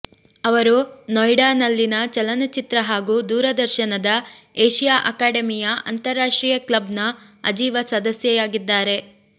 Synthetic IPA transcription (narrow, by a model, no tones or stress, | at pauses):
ɐʋɐɾunɔjɖaːnɐlːinɐt͡ʃɐlɐnɐt͡ʃit̪ɾɐɦaːɡuːd̪uːɾɐd̪ɐɾʃɐnɐd̪ɐ | eːʃijaːʔɐkaːɖɐmijɐʔɐnt̪ɐɾːaːʂʈɾiːjɐklɐbnɐɐd͡ʒiːʋɐsɐd̪ɐsjɛjaːɡid̪ːaːɾe̞